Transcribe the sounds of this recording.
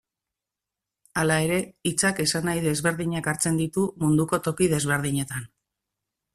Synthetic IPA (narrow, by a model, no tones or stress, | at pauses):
alae̞ɾe̞it͡sake̞sanajðe̞zβe̞ɾðiɲakaɾt͡se̞nd̪it̪umund̪uko̞t̪o̞kið̞e̞zβ̞e̞ɾðiɲe̞t̪an